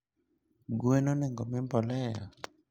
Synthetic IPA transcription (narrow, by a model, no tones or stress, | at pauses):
ɡwenɔnɛŋɡɔmɪmbɔlɛjɔ̰